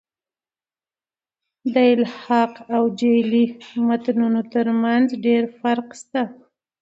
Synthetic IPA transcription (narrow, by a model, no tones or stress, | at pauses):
d̪əɪlhɑqawd͡ʒelimat̪nunot̪əɾmanzɖeɾfaɾqst̪a